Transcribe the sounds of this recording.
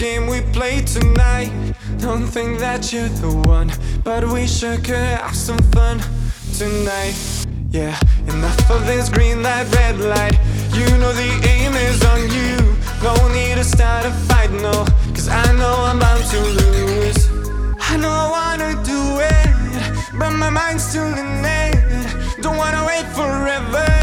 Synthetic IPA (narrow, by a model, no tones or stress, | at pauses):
ɡ̥ẽɪ̃mwipʰl̥eɪtʰɨnaɪt̚ | d̥õʊ̃nθɪ̃ŋk̚ðɨt͡ʃə˞ðəwʌ̃nb̥ʌt̚wiʃʌkɨ̰sʌ̃ɱfʌ̃n | tʰɨnaɪt̚ | jæɨnʌfʌvðɪsɡɹĩnlaɪt̚ɹɛdˡlaɪt̚ | jɨnoʊðiʔẽɪ̃mɪzn̩jʉ | ɡ̥õʊ̃nːiɾɨstɑɹɾʌfaɪtnoʊkʰʌza̰ɪnoʊãɪ̃mbãɪ̃mtʰɨluz̥ | aɪnoʊaɪwɑnɨdəɪt̚ | b̥ʌt̚maɪmãɪ̃nd̥stunɪ̃ne | d̥õʊ̃nʔ̚wɑ̃nəweɪtfə˞ɛvə˞